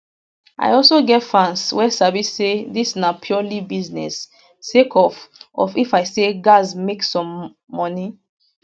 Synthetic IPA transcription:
ʔa̰ɪɔlsoɡɛtfãnswɛsavisːedisnapʰjulibiznɛ̰sː | ekʰɔfɔ̰fifaɪseɡazmeksɔ̃mː | ɔni

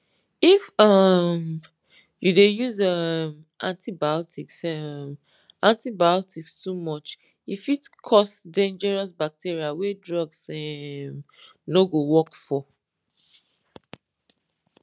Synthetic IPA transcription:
ifɔm | judejuzʌm | ʔãntʰibaɔtʰiksɛm | ãntibaɔtikstumɔt͡ʃ | ifitkʰɔstdẽnd͡ʒɛɹɔsbak̚tiɹiawedɹɔɡsɛm | noɡowɔkfɔ

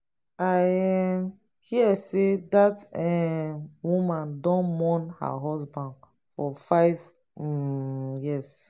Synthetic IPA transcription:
aɛm | hiɛsedatɛ | wumãndɔ̃nmɔ̃nha̰ɦɔsbãnd | fɔfaɪv | jis

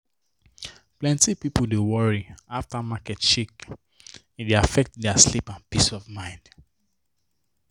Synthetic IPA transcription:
plɛ̃ntipipl̩ˠdewɔɹiaftamakɛtt͡ʃik | ideafɛk̚tdɛaslipãnpisɔvmãɪ̃nd̥

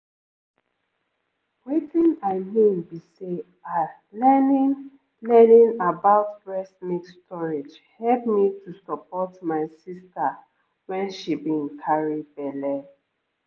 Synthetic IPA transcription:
wetĩnaɪmĩmbise | a | lɛnĩn | lɛnĩnabaʊtbɹɛsmikstʰɔɹed͡ʒ | hɛlp̚mitʰusəpɔtmaɪsista | wɛ̃nʃibĩnkʰaɹid̚bɛlɛ

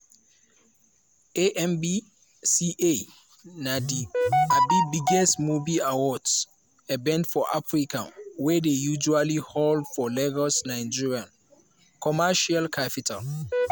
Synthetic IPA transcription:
eʔɛ̃mbi | siʔe | nadiabibiɡɛstmuviawɔds | ɛbɛ̃ndfɔʔa̰fɹikã̰wɛdejud͡ʒualihɔldfɔlɛɡɔsnaɪd͡ʒiɹiãn | kʰɔmaʃalkʰapitʰa̰l

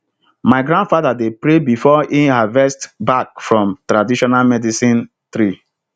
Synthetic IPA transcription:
maɪɡɾãndfaðadepɾebifɔihavɛstbak̚fɹɔ̃mtɾadiʃɔnalmɛdisĩn | t̪ɾi

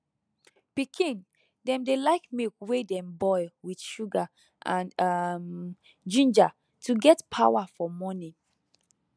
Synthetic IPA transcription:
pikʰĩn | dɛ̃mdelaɪkmekwedɛ̃mbɔɪwiθʃuɡa | ʔãnm | d͡ʒĩnd͡ʒa | tʰuɡɛtpʰawafɔmɔnĩ

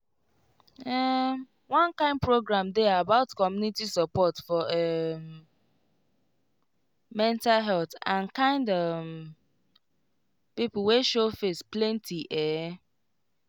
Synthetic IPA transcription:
ɛ | wɔ̃nkãɪ̃nd̚pɹoɡɾãmdɛabaʊtkɔmjunitisəpɔtfɔɛm | mɛ̃ntalɦɛlθãnkãɪ̃ndɔ | pipʊl̩weʃofesplɛ̃ntʰiʔɛ

